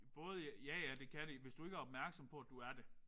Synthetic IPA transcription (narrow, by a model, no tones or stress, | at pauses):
b̥ɔ̽ːð̞ˠəjjæjæd̥e̝kʰæɾiʋe̝sd̥ue̝ɡ̥æɐɒ̽b̥̚mæɐɡ̥sɒ̽mpʰɒ̽æd̥uæɐd̥e̝